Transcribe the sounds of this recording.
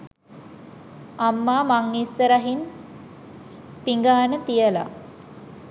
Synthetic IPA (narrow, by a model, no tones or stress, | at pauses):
amːaːmaŋːisːəɾaɦin | piŋɡaːnət̪ijəla̰